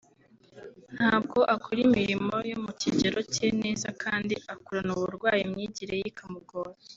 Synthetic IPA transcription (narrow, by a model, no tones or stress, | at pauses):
n̥haːb̚ɡo̞ʔakuɾimiɾimo̞jomuciɟeɾo̞cene̞ːzakʰaːndiakuɾanuβuɾɡwaːjimɲiːɟiɾejikʰamuɡoːɾ